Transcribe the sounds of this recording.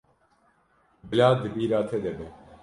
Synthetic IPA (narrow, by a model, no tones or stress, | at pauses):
bɪlaːd̪ɨbiːɾaːt̪ʰed̪ɛbɛ